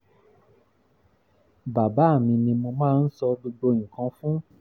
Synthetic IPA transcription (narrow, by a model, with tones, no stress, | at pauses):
ba˨ba˨˦a˦˨mĩ˧nĩ˧mo˧mãː˦n̩˦sɔ˧do˧ɡ͡bõ˧˦˨ĩ˨kã˧fũ˦